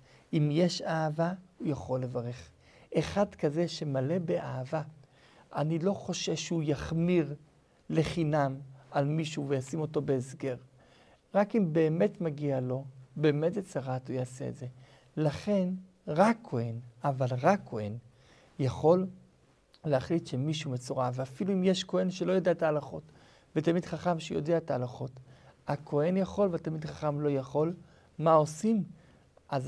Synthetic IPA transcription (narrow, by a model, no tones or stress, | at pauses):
imjeʃaːvaujaχo̞lːe̞vaʁe̞χ | ʔeχadkaze̞ʃe̞male̞beʔaːva | ʔanilo̞χo̞ʃe̞vʃeujaχmiʁ | le̞χinamalmiʃuvejasimo̞to̞beːsɡeʁ | ʁakimbe̞ːme̞tmaɡialo̞be̞ːmetjet͡saʁatujaːse̞̰ːdze̞ | laχe̞n | ʁakʰːo̞e̞navalʁakʰːo̞e̞̰n | jaχo̞lː | eaχlitʃe̞miʃumet͡soʁaveafiluimjeʃko̞e̞nʃelo̞jo̞deaetaːlaχo̞t | vetamidχaχamʃejo̞̰deaetaːlaχo̞takʰo̞e̞njaχo̞lveatamidχaχamlo̞jaχo̞l | mao̞sim | ʔaz